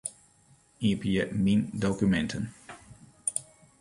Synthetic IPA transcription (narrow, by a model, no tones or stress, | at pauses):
ipjəmindokymɛntʰən